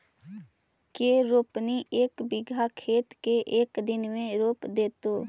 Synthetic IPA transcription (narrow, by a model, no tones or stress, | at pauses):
keɾoːpniʔeːkbɪɡʱakʰeːt̪keʔeːkd̪ɪnmẽɾoːpd̪eːt̪oː